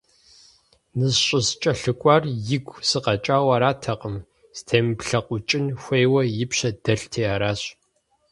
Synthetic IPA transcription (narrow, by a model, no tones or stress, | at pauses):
nɨzɕʼɪst͡ʃʼɐɬɨkʷʼɑːrjɪɡʷʰʼsɨqɐt͡ʃʼaːwɐɾaːtʰɐqʼəm | z̥tʰeːmpɬɐqʷʊt͡ʃʼɪnxʷejwɐjɪpɕɐdɐɬtʰeːaːɾaːɕʼ